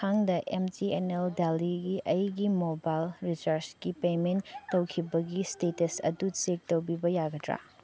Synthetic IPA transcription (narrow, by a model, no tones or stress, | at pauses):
kʰaŋdɐʔemtieneldaliɡiʔɐjɡimobajlɾisɐɾsɡipementːɐwkʰibɐɡistetesɐ̰dut͡ʃek̚towbibɐjaɡɐdɾa̰